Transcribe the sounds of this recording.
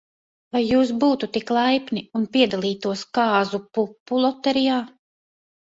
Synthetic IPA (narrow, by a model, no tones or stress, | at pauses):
vajːuːs̬buːt̪ut̪iklˠajpniunpiɛd̪alˠiːt̪uɔskɑːzupupːulˠɔt̪ɛɾijaː